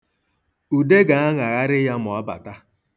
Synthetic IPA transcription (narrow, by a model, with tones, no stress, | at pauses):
u˨de˦ɡa˨a˦ŋa˨ɣa˦ɾɪ˦ja˦mʊ˨ɔ˦ba̰˨ta˦